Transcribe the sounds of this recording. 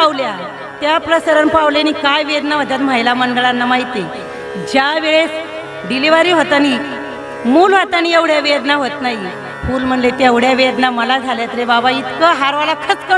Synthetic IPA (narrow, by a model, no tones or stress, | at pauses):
pawlja | t̪japɾəsəɾənpawlanikajʋed̪naʋ̤ət̪jat̪m̤ajlaməɳɖəɭanːamaɦit̪e | d͡ʑjaʋeɭes | ɖiliʋaɾiːɦot̪añi | muːlʋ̤at̪anieʋɽ̤jaʋed̪naɦot̪naɦi | fuːlm̤əɳlet̪eʋɽ̤jaʋed̪naməlad͡zʱaljat̪əɾebabait̪kəɦaɾʋalakʰət͡skə